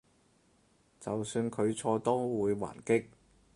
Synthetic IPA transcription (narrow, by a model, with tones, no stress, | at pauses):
t͡sɐ˨wsyː˧nkʰɵ˨˧ɥt͡sʰɔː˧t̪o˥wuː˨˧jwa̰ː˨˩nkɪ˥k̚